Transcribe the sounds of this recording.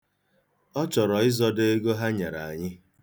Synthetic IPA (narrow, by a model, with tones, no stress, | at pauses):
ɔ˦t͡ʃɔ˨ɾɔ˨ɪ˦zɔ˦de˦ɡo˦ɦa˦ɲa˨ɾa˨a˨ɲɪ˦